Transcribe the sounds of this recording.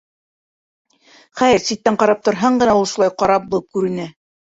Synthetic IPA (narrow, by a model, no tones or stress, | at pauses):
χæjɘɾsit̪ːæɴqɑɾɑp̚t̪ŏɾɦɑɴɢɤ̆næulˠʃulˠɑjqɑɾɑp̚bŏlˠɤp̚kʉɾɘ̆næ